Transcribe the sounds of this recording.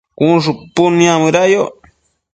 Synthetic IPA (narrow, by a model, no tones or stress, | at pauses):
kunʐupuniamɨɾajo